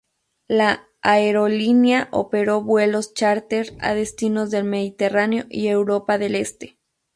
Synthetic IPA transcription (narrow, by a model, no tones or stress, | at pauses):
laː | eɾo̞linjaʔo̰pe̞ɾo̞βwe̞lo̞st͡ʃaɾt̪eɾa̰ðe̞st̪ino̞zðe̞lme̞ðit̪e̞raneo̞ʔie̞wɾo̞paðe̞le̞st̪e̥